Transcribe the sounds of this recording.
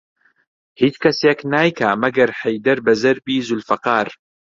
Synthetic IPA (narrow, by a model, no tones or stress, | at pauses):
hiːt͡ʃkɐseːknaːjkʰamɐɡɐɾħɐjd̪ɐɾbɐzɐɾbiːzʊlfɐqɑːɾ